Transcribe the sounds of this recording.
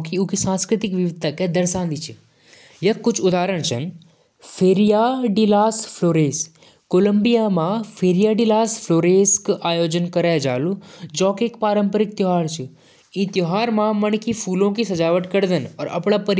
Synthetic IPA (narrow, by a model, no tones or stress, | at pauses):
kiuːkisãːnskɾɪt̪ɪkʋiʋɪd̪̚ʱt̪əkɛd̪əɾsãːnd̪it͡ʃʰi | jɐkːʊt͡ʃʰʊd̪aːɾəɽ̃t͡ʃʰə̰n | fʰeːɾijaːɖilaːspʰloːɾeːs | koːləmbijamãfʰeːɾijaːɖilaːspʰloːɾeːskaːjoːd͡ʒənkəɾaːjd͡ʒa̰ːlũd͡ʒɔ̃ːkekpaːɾə̃mpəɾɪk̚t̪ɪɦaːɾt͡ʃʰu | ĩːt̪joɦaːɾmãmənkifʰuːlõkisɐd͡ʒaːʋəʈkəɾd̪ənɔːɾɐ̰pɽ̃apəɾ